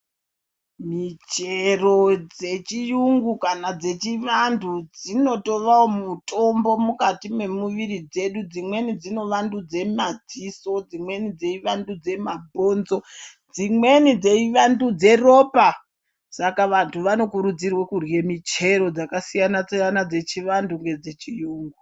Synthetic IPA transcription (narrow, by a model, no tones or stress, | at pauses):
mit͡ʃero̞d͡ze̞t͡ʃijuŋɡukanad͡ze̞t͡ʃiʋandʰud͡zino̞to̞ʋawomutʼo̞mbo̞mukatime̞muʋiɾid͡ze̞ɗud͡zimwe̞nid͡zino̞ʋandud͡ze̞mad͡ziso̞d͡zimwe̞nid͡ze̞iʋandud͡ze̞mabʱo̞ːnzo̞ | d͡zimwe̞nid͡zeiʋandud͡ze̞ro̞ːpa | sakaʋantʰuʋano̞kuɾud͡zirwekurwe̞mit͡ʃe̞ɾo̞d͡zakasijanat͡sjanad͡ze̞t͡ʃiʋanduŋɡe̞d͡ze̞t͡ʃijuːŋɡu